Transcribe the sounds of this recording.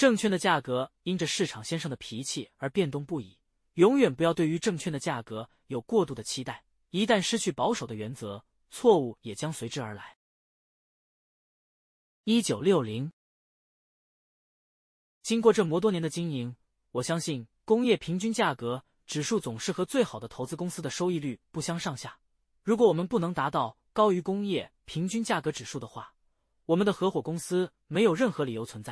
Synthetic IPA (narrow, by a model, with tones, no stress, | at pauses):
ʈ͡ʂɤ˥˧ŋt͡ɕʰɥɛ˥˩nd̪ə˩t͡ɕja˥˩kɤ˧˥i˥nʈ͡ʂə˧ʂɻ̩˥˩ʈ͡ʂʰɑ˨˩ŋɕjɛ˥nʂɤ˥˩ŋd̪ə˩pʰi˧˥t͡ɕʰi˥˩ə˞˧˥pjɛ˥˧nt̪ʊ˥˧ŋpu˥˩ḭ˨˩˦ | jʊ˧˥ŋɥɛ˨˩npu˧˥jɑ˥˧ʊt̪we˥˩ɪy˧˥ʈ͡ʂɤ˥˧ŋt͡ɕʰɥɛ˥˩nd̪ə˩t͡ɕja˥˩kɤ˧˥ | jo˨˩ʊkwɔ˥˧t̪u˥˩d̪ə˩t͡ɕʰi˥t̪a˥˩ɪ | i˧˥t̪a˥˩nʂɻ̩˥t͡ɕʰy˥˩pɑ˧˥ʊʂo˨˩ʊd̪ə˦ɥɛ˧˥nt͡sɤ˧˥ | t͡sʰwɔ˥˧u˥˩jɛ˨˩t͡ɕjɑ˥ŋswe˧˥ɪʈ͡ʂɻ̩˥ə˞˧˥la̰˧˥ɪ | i˥t͡ɕjo˨˩ʊljo˥˩ʊli˧˥ŋ | t͡ɕi˥ŋkwɔ˥˧ʈ͡ʂɤ˥˩mwɔ˧˥t̪wɔ˥jɛ˧˥nd̪ə˧t͡ɕi˥ŋi˧˥ŋ | wɔ˨˩ɕjɑ˥ŋɕi˥˩nkʊ˥ŋjɛ˥˩pʰi˧˥ŋt͡ɕy˥nt͡ɕja˥˩kɤ˧˥ | ʈ͡ʂɻ̩˨˩ʂu˥˩t͡sʊ˨˩ŋʂɻ̩˥˩xɤ˧˥t͡swe˥˩ɪxɑ˨˩d̪ə˦t̪ʰo˧˥ʊt͡sɹ̩˥kʊ˥ŋsɹ̩˥d̪ə˨ʂo˥ʊi˥˧ly˥˧pu˥˩ɕjɑ˥ŋʂɑ˥˧ŋɕja˥˩ | ɻu˧˥k̬wɔ˧˥wɔ˨˩mə˦npu˥˩nɤ˧˥ŋt̪a˧˥t̪ɑ˥˩ʊ | kɑ˥ʊy˧˥kʊ˥ŋjɛ˥˩pʰi˧˥ŋt͡ɕy˥nt͡ɕja˥˩kɤ˧˥ʈ͡ʂɻ̩˨˩ʂu˥˩d̪ə˩xwa̰˥˩ | wɔ˨˩mə˦nd̪ə˧xɤ˧˥xwɔ˨˩kʊ˥ŋsɹ̩˥ | me˧˥ɪjo˨˩ʊɻə˥˩nxɤ˧˥li˨˩jo˧˥ʊt͡sʰə˧˥nt͡sa˥˩ɪ